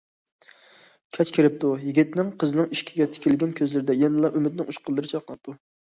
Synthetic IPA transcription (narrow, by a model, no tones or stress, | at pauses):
kʲʰɛt͡ʃkʲʰeɾɪp̚t̪ʰujiɡʲit̪nɪŋqʰəzɨnɨŋiʃkʲʰiɡʲɛt̪ʰɪ̥kʲʰɪlɡʲɛnkʲʰøzlɪɾɪd̪ɛjɛnɨlˠɑʔymɪd̪nɪŋuʃqʰəlˠːɨɾɨt͡ʃʰɑqlˠɑp̚t̪ʰːu